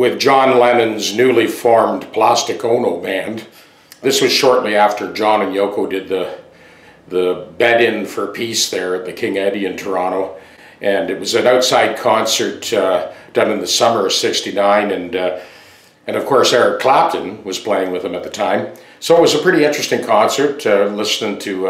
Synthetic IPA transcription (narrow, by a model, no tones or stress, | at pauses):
wɪðd͡ʒɑ̃nlɛnɨ̃nznʉlifɔɹmpʰl̥æstɨkõʊ̃noʊbæ̃n | ðɪswʌz̥ʃɔɹʔˡliæftʰə˞d͡ʒɑ̃nɨ̃njoʊkʰoʊdɨd̪̚ðɨ | ðɨbɛɾɪ̃nfə˞pʰisðə˞ɨt̪̚ðɨkʰɪ̃ŋɛ̃ɾiɨ̃ntʰə˞ɑñoʊ | ʔɨ̃nɨt̚wʌzɨ̃naʊtsaɪd̚kʰɑ̃nsə˞td̥ʌ̃nɨ̃nðɨsʌmə˞ʌv̥sɪkstinãɪ̃nɨ̃n | ɨ̃nʌv̥kʰɔɹsɛɹɨkʰl̥æp̚tʰɨ̃nwʌz̥pʰl̥eɪɪ̃ŋwɨð̥ɨ̃mɨt̪̚ðɨtʰãɪ̃m | soʊət̚wʌzɨpʰɹ̥ɪɾiɪ̃nt͡ʃɹ̥ɨstɪ̃ŋkʰɑ̃nsə˞tlɪsnɪ̃ŋtʰɨ